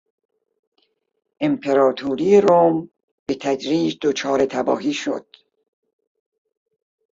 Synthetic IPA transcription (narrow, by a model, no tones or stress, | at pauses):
ʔempʰeɾɒːt̪ʰuːɾijeɾom | b̥et̪ʰæd͡ʒɾiːd͡ʒd̪̥ot͡ʃʰɒːɾe̞t̪ʰæbɒ̰ːɦiːʃo̰d̪̥